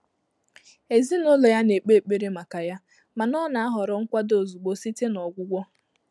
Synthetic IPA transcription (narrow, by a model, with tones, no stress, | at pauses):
e˨zi˦no˦lo˨ja˦ne˨k͡pe˦˨k͡pe˦ɾe˦ma˨ka˨ja˦ | ma˨nɔ˦na˨a˦ɦɔ˨ɾɔ˨ŋ̩˦kʷa˦do˨zu˨ɡ͡bo˨si˦te˦nɔ˨ɡʷʊ˦ɡʷɔ˦